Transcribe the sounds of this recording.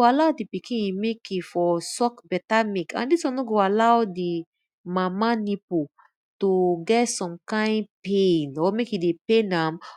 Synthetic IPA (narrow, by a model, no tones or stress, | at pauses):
oalawdipikĩnimekifɔsɔkbɛtamikã̰ndisɔ̃noɡoalawdi | mamanipu | tuɡɛtsɔ̃mkãɪ̃npẽnɔmekidepẽnãm